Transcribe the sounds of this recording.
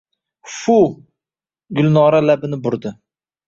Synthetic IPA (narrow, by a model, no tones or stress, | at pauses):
fu | ɡʲʊlnɑːɾalæbɪnɪbʊɾd̪ɪ